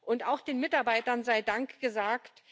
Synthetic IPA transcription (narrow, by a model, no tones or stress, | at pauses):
ʔʊntaʊxd̥eːnmɪtaɐbaɪtɐnzaɪdaŋkɡ̥əzaːkt